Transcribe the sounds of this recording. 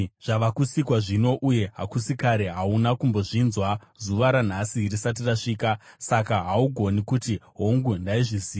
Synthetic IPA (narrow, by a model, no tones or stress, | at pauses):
ʐ̥aʋakusikwaʐino̞ʔuje̞ɦakusikaɾeɦaunakumbo̞ʐinzwazuʋaɾan̤asirisat̬iraʂiːka | sakaɦauɡʱo̞nikutiɦo̞ŋɡundaiʐiziː